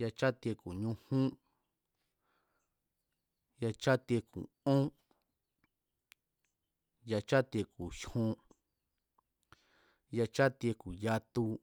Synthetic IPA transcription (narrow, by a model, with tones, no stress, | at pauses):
ja˧t͡ʃa˦t̪i˧e˧ku˨ɲũ˧hũ˦ | ja˧t͡ʃa˦t̪i˧e˧kṵ˨ | õ˦ | ja˧t͡ʃa˦t̪e˧ku˨ʃhũ˧ | ja˧t͡ʃa˦t̪i˧e˧ku˨ja˧t̪u˧